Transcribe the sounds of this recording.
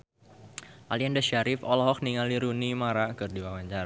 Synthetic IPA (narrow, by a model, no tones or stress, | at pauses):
ʔaliandəʃaɾɪfɔlɔɦɔk̚niŋaliɾunimaɾakɨrdiwawaɲt͡ʃar